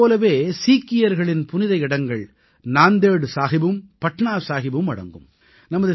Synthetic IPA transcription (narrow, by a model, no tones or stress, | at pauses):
oːlɐʋeːsiːkːɪjɐɾɣɐɭɪnpʊnɪðɐɪɪɽɐŋɡɐɭ | naːnd̪eːɽɯsaːɣɪbɯmpɐʈnaːɾsaːɣɪbɯmɐ̰ɽɐ̰ŋɡɯ̰m | nɐmɐðɯ